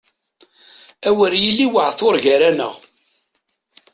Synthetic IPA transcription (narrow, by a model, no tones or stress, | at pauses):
æwəɾjilːiwəʕθoɾʝəɾænə̰ʁ